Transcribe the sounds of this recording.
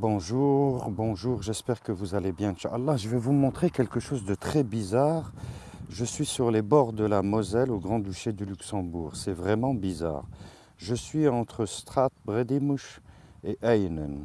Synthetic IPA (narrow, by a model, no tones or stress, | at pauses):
bɔ̃ʒuʁbɔ̃ʒuːʁʒɛspɛʁkəvuzalebjɛ̃ʃa̰alːaʒəvɛvumɔ̃t̪χekʲɛlkəʃozd̪ət̪χɛbizaːʁ | ʒəsɥisyʁlebɔʁd̪əlamɔzɛloɡʁɑ̃d̪yʃed̪ylyksɑ̃buːʁsɛvʁɛmɑ̃biza̰ːʁ | ʒəsɥiɑ̃t̪χəst̪χat̪̚bʁed̪imuʃeʔajnən